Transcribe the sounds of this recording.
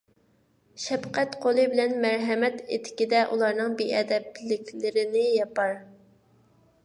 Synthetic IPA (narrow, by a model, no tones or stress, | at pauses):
ʃɛpqɛt̪qʰolˠɨbɪlɛnmæɾɦɛmɛt̪et̪ʰɪ̥kʲid̪ɛʔulˠɑɾnɨŋbeɛd̪ɛplɪkʲlɪɾɪnɪjɑpɑɾ